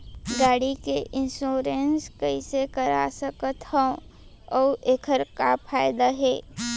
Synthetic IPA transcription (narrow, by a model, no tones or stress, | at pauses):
ɡaːɽikeʔɪ̃nsoːɾenskəisekəɾa̰səkət̪hɛ̃ | ɔːʔekʰəɾkapʰaːɪd̪aɦɛː